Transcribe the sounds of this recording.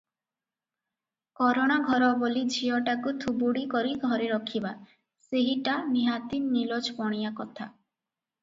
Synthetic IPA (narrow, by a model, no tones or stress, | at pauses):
kɔɾoɽ̃aɡʱɔɾɔbolid͡ʒʱiɔʈakut̪ʰubuɽikɔɾiɡʱɔɾeɾɔkʰiba | seɦiʈaniɦat̪innːilɔd͡ʒpɔɽ̃ijakɔt̪ʰa̰